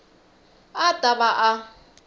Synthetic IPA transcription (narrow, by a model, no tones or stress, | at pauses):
atʼabaʔa